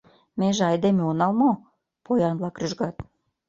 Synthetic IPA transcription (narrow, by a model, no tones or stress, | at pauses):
meʒeɑjd̪emeonɑlmo | pʰojɑnβlɑkryʒɣɑt̪